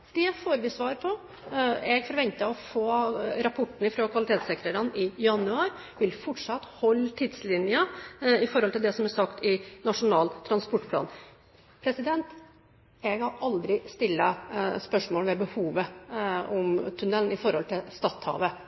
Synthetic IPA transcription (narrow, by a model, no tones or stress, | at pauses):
d̪̥ɛfoːɾʋɪsʋɑːɾpʰɔ | ɛɡfɔɾʋɛnt̪əɔfoːɾɑpʰɔʈːn̩ɪfɾoːkʰʋɑlɪt̪eːt̪sɛːkɾəɾɑnɪjɑnʉɑːɾ | ʋɪlfɔʈʂɑt̪ːhɔlːt̪ʰɪd̪slɪnjəɪfɔɾɔlt̪ɪld̪ɛsɔmæsɑkt̪ɪnɑʂʊnɑːlt̪ʰɾɑnspɔʈːpʰlɑ̰ːn | pʰɾɛsɪd̪ɛnt̪ | ɛɡhɑɾʔɑld̪ɾɪst̪ɪlːəspœʂmoːlʋɛbəhuːʋəɔmt̪ʰʉnɛln̩ɪfɔɾhɔlt̪ʰɪlst̪ɑːt̪hɑ̰ːʋə